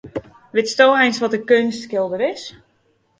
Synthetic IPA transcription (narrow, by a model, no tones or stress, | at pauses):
ʋɪtstoːɛjnsʋɔt̚əkønstkɪlˠdəɾɪs